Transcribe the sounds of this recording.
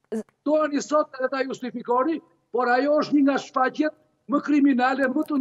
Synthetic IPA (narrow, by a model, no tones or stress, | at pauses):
t̪ɔanisɔt̪ɛt̪ajust̪ifikɔɾi | pɔɾajɔəʃt̪niŋɡaʃfacjɛt̪̚ | məkɾiminalɛmət̪ə